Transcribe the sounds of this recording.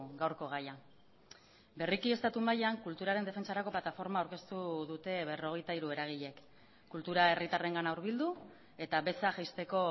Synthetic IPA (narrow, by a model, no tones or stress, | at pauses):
ɡawɾko̞ɣ̞aja | be̞rikie̞st̪at̪umajaŋkult̪uɾaɾend̪efent͡saɾako̞plat̪afo̞ɾmaawɾke̞st̪uðut̪e̞βe̞ro̞ɣe̞jt̪aiɾue̞ɾaɣ̞iʎe̞k | kult̪uɾae̞rit̪are̞ŋɡanauwɾβild̪u | e̞t̪aβe̞saʝajst̪e̞ko̞